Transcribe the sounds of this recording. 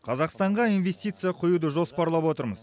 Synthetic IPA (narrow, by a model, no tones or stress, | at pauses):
qʰɑzɑqst̪ɑɴʁɑijnve̞sʲt̪ʲijt̪sɨjɑqʰʊjud̪əʒo̞spɑɾlˠɑpwo̞t̪əɾməz̥